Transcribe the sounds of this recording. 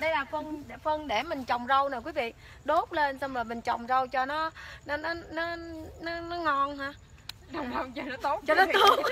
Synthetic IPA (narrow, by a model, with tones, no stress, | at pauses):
ɗə˨˦jlaː˨˩fə˧nɗfə˧nɗe˧˩mï˨˩ŋt͡ɕɔ˨˩wŋ͡mzə˧wna˨˩kwi˨˦vḭ˧˨ | ɗo˦˥t̚le˧nsa˧ŋ͡mləː˨˩mï˨˩ŋ̟t͡ɕɔ˨˩wŋ͡mzə˧wt͡ɕɔ˧nɔ˨˦nɔ˨˦nɔ˨˦nɔ˨˦nɔ˨˦nɔ˨˦ŋɔ˧nɦaː˧˨˩ | wŋ͡mɗa˧wt͡ɕɔ˧nɔ˨˦t̪o˦˥t̚t͡ɕɔ˧nɔ˨˦t̪o˨˦t̚